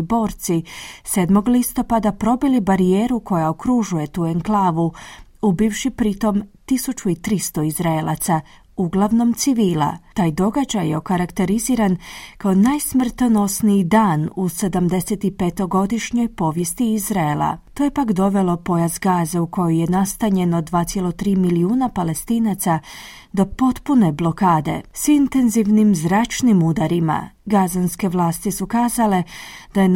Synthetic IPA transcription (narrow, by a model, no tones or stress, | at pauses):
bo̞ːɾt̪sise̞ːd̪mo̞ɡlist̪o̞pad̪apɾo̞bilibaɾieːɾuko̞jaokɾuʒuje̞t̪uːeŋklˠaːʋuubifʃipɾit̪o̞mt̪isut͡ʃuit̪ɾist̪o̞izɾaelˠa̰t̪sa | uɡlˠaʋno̞mt̪siʋiːla̰t̪aːjd̪o̞ɡad͡ʑajːeokaɾakt̪e̞ɾiziːɾankaonaːjsmr̩t̪ono̞sniid̪aːnuse̞d̪amd̪e̞set̪ipe̞t̪o̞ɡo̞d̪iʃɲo̞jpo̞ːʋje̞st̪iizɾaelˠa̰t̪ojepakd̪o̞ʋe̞lˠo̞po̞jazɡaːzauko̞joje̞nast̪aɲe̞nod̪ʋaːsjelo̞t̪ɾiːmiliuːnapale̞st̪iːnat̪sa | d̪o̞po̞t̪pune̞blo̞kaːd̪e̞̰sint̪e̞nziʋnimzɾaːt͡ʃnimud̪aɾima̰ɡazanske̞ʋlˠaːst̪isukaːzale̞d̪aje